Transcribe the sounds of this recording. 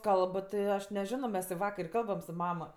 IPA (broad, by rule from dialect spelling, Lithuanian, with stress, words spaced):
ˈkɐlˠp tʲɪ ˈɐʃ nʲɛˈʒʲɪnoː mʲɛs ɪ ˈʋɑːkɐr ɪ ˈkɐlˠbɐm sʊ ˈmɑːmɐ